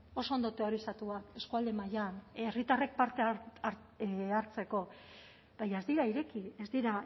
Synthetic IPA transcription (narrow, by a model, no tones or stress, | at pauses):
o̞so̞ond̪o̞t̪e̞o̞ɾisat̪uae̞skuald̪e̞majanerit̪are̞k̚paɾt̪e̞ɾ | aɾt͡se̞ko̞ | b̥ajae̞zd̪iɾaiɾe̞kiezd̪iɾa